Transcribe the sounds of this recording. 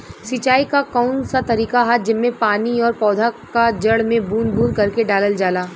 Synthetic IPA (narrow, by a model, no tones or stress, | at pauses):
sɪt͡ʃaːikakaːʊnsat̪ɐɾiːkaɦad͡ʒɪnmẽpaːniɔːɾpɔːd̪ʱakad͡ʒɐɽmẽbuːnbuːɾkɐɾkeɖaːləld͡ʒaːlaː